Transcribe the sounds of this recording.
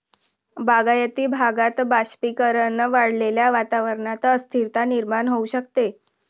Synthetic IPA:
baɡajət̪iːbʱaɡat̪baɕpikəɾənəʋaɽ̤leljaʋat̪aʋəɾɳat͡saəst̪ʰiɾt̪aniɾmaɳɦouɕəkt̪e

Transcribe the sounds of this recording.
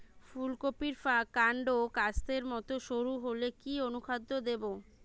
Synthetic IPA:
fulkopiɾfakaɳɖokast̪eɾmɔt̪oʃoɾuɦolekionukʰad̪ːod̪ebo

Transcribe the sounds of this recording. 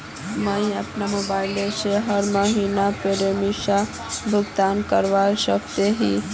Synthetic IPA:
məĩəpnamobaːɪleseɦəɾməɦiːnapeɾemisa | bʱʊɡt̪aːnkəɾʋaesək̚t̪eɦi

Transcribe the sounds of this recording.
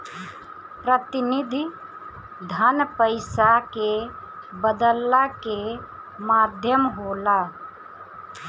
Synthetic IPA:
pɾət̪ɪnɪd̪ʱi | d̪ʱənpəɪsakebəd̪əlːake | maːd̪ʱjəmɦoːla

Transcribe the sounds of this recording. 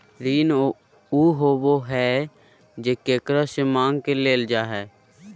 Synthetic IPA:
ɾiːn | uːɦoːʋoɦɛː | d͡ʒeːkeːkɾasemãːŋɡkeleːld͡ʒaːɦɛː

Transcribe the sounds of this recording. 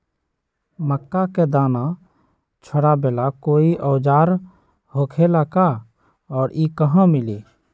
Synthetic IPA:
məkːaked̪aːna | t͡ʃʰəɽabeːlakoːiʔɔːd͡ʒaːɾ | hoːkʰelaka | ɔːɾikəɦãmɪliː

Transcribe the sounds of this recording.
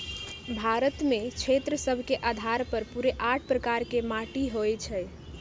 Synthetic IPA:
bʱaɾət̪met͡ʃʰet̪ɾəsəbʱkeʔad̪ʱaɾpəɾpuɾeʔaʈʰpɾəkaɾkemaʈiɦojt͡ʃʰɛj

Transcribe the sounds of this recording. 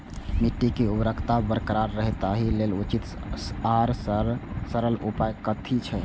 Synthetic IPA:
miʈːikeubɾəkʰt̪abəɾkɾaɾɾəɦt̪aɦilelut͡ʃit̪saɾ | səɾəlupajkət̪ʰit͡ʃʰɛ

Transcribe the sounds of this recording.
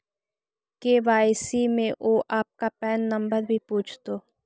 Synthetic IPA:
keːʋaːjsimẽʔoːʔaːp̚kapɛːnːɐ̃mbəɾbʱipuːt͡ʃʰt̪oː

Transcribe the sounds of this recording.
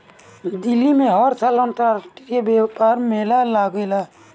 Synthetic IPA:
d̪ɪlːimẽɦɔɾsʰalənt̪aɾsʈikebepaːɾmeːlalaɡola

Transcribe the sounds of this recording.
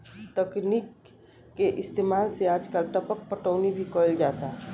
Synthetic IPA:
t̪əknikː | eʔɪst̪eːmaːlseaːd͡ʒkəlʈəpək̚pəʈəʊnibʱikold͡ʒaːt̪a

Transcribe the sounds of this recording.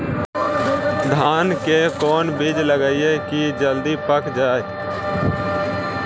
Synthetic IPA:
d̪ʱaːnkekɔːnbid͡ʒləɡəiekid͡ʒəld̪ipəkd͡ʒaːe

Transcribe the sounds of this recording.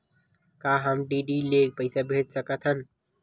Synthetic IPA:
kaːɦəmɖiːɖiːleːk̚pəɪsabʱeːd͡ʒsəkət̪ʰɦən

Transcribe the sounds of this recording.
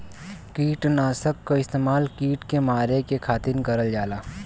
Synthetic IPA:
kiːʈnaːsəkːoɪst̪eːmaːlkiːʈkemaːɾekekʰaːt̪ɪnkɐɾəld͡ʒaːlaː

